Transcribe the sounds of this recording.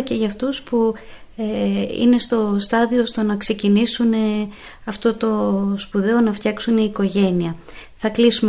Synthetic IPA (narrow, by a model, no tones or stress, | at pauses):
ce̞ʝɐft̪uspu | eḭne̞st̪o̞st̪ɐðiost̪onɐkse̞cinisune̞ | ɐft̪o̞t̪o̞spuðe̞o̞nɐft̪çɐksuneiːko̞ʝe̞niɐ | θɐklisum